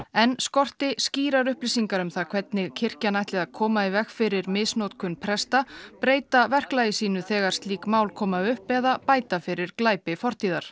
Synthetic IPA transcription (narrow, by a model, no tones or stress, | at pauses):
ɛnskɔr̥t̪ɪsciːɾaɾʏhplisiŋkaɾʏmθaðkʰvɛt̪nɪɣcʰɪr̥canajht̪lɪðaðkʰɔːmaivɛxfɪɾɪɾmɪsnowt̪kʰʏnpʰɾɛst̪apɾeːjt̪avɛr̥klaːjɪsiːnʏθɛːɣaɾ̥st̪liːkmaːwlkʰɔːmaʏhpɛːðapaːjt̪afɪɾɪɾklaːjpɪfɔr̥t̪iːðaɾ̥